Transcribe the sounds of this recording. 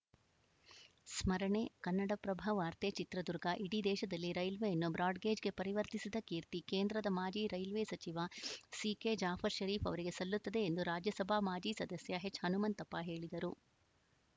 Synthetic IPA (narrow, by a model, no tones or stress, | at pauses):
smɐɾɐɳekɐnːɐɽɐpɾɐbʱɐʋaːɾt̪et͡ʃit̪ɾɐd̪uɾɡɐʔiɽid̪ɛːʃɐd̪ɐlːiɾɐjlʋejɐnːubɾaːɖɡeːd͡ʒɡe̞pɐɾiʋɐɾt̪isid̪ɐkiːɾt̪ikeːnd̪ɾɐd̪ɐmaːd͡ʒiːɾɐjlʋeːsɐt͡ʃiʋɐsiːked͡ʒaːpʰɐɾʃɐɾiːfɐʋɐɾiɡe̞sɐlːut̪ːɐd̪e̞ːnd̪uɾaːd͡ʒjɐsɐbʱamaːd͡ʒiːsɐd̪ɐsjɐɦet͡ʃːhɐnumɐnt̪ɐpːaɦe̞ːɭid̪ɐɾu